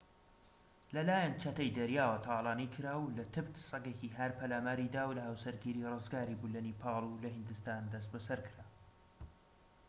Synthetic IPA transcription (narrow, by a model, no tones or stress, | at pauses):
lɐlaːjant͡ʃʰɐt̪ɐjd̪ɐɾjaːwɐt̪ʰɑːlˠɑːnikʰɨɾaːwlɐt̪ʰɨbt̪ʰsˤɐɡekiɦɐɾpʰɐlaːmaːɾid̪aːwlɐhawsɐɾɡiːɾirɨzɡaːɾibulɐnipʰɑːlˠulɐhɨnd̪ɨst̪aːnd̪ɐs̬t̪̚bɐsɐɾkʰɨɾaː